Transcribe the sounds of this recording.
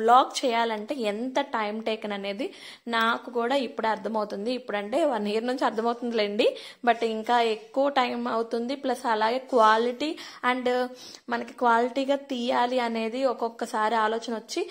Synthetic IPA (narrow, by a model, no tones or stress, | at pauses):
blaːkt͡ʃɛːjaːlɐɳʈe̞ːɛnt̪ɐʈɐjmʈɛːkɐnɐne̞ːd̪i | naːkukuːɽaːipːuɽɐɾt̪ʰɐmɐwut̪und̪iːpːuɽɐɳʈe̞ːʋaːɾniːɾnuɲt͡ʃiɐɾt̪ʰɐmɐwt̪und̪ileːɳɖibɐʈːiŋkaːekːuʋɐʈɐjmɐwt̪und̪iplɐsɐlaːɡe̞ːkʋaːliʈiːɐɳɖ | mɐnɐki̥kʋaːliʈiːɡaːt̪iːjaːliɐne̞ːd̪iɔkɔkːɐsaːɾiaːlɔːt͡ʃɐnɐʋɐt͡ʃːi